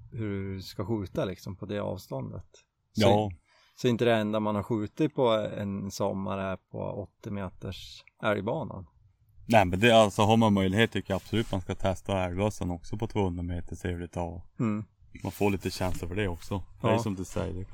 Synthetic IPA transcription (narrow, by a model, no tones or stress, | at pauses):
hɵɖskaɧʉ̟ːt̪alɪksɔmpʰɔd̪ɛɑ̰ːvst̪ɔnd̪ə̰t̪ | sjɑː | sɔɪnt̪əd̪ɛɛnd̪amanhaɾɧʉ̟ːt̪ɪt̪̚pʰɔɛ̰nsɔmːa̰ɾæɾpʰɔ̰ɔt̪ːɪmeːt̪əʂ | æɾjbɑːna̰n | nɛmɛnd̪ɛalsɔɦaɾmanmœjlɪɡeːt̪ʰːʏkːəjaab̥sɔlʉ̟ːt̪manskat̪ʰɛst̪aæɾbœsːənɔksɔpʰɔt̪ʰvoːhɵnɾameːt̪əʂʰeːvlɪt̪ʰɑm̩ː | ma̰nfoːɭiːt̪əɕɛnsləɾfœɖɛɔksɔd̪ɛæɾjsɔmd̪ɵsɛ̰jːəɖɛ